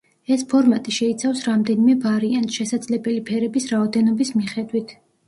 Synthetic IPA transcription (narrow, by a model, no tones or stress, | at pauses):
ɛspʰɔɾmat̪ʼiʃɛit̪sʰafsɾamd̪ɛnimɛvaɾiant̪ʃɛsad̪zlɛbɛlipʰɛɾɛbisɾaɔd̪ɛnɔbismiχɛd̪wit̪ʰ